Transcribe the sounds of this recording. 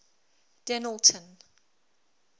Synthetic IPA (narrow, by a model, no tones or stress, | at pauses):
d̥ɛnəlˠtʰə̃n